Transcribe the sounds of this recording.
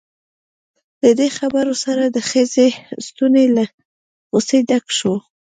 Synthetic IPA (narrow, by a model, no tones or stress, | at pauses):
d̪əd̪exabaɾosaɾad̪əxəzest̪unela | ɣosed̪akʃo